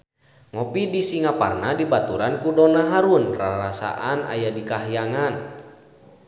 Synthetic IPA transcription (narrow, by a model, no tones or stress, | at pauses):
ŋɔpidisiŋapa̰rnadibat̪uɾankudɔnaɦaɾunraɾasa̰ʔana̰jadikaɦjaŋan